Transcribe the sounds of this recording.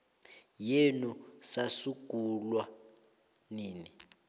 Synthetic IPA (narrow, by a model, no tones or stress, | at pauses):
jenusasuɡ̥ʱulwa | niːni